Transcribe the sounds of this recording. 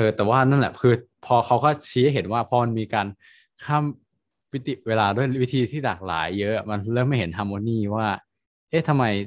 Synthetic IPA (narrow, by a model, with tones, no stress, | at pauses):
ʔɤː˧t̪ɛː˨˩waː˥˩na˥˩lɛ˨˩kʰɯː˧pʰɔː˧kʰa˦˥wkɔː˥˩t͡ɕʰi˦˥ɐɦe˩˦nwaː˥˩pʰɔː˧ma˧nmiː˧kaː˧n | kʰaː˥˩m | wi˦˥t̪i˨˩weː˧laː˧du˥˩əjwi˦˥t̪ʰiː˧t̪ʰiː˥˩laː˨˩k̚la̰ː˩˦jːɤ˦˥ʔa˨˩ma˧nlɤː˥˩mːa˥˩jɦe˩˦nt̪ʰaː˧moː˧˥niː˥˩waː˥˩ | ʔe˦˥t̪ʰa˧mːa˧j